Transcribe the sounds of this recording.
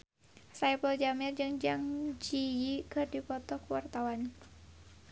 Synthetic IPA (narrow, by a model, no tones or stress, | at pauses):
sajpəld͡ʒamɪrd͡ʒɨŋd͡ʒaŋd͡ʒijikɨrdipɔt̪ɔkuwart̪awan